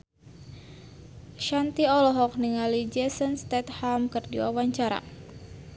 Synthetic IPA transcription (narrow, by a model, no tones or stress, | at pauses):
ʃant̪iɔlɔɦɔk̚niŋalid͡ʒɛsənst̪ɛt̪hamkɨrdiwa̰waɲt͡ʃaɾa̰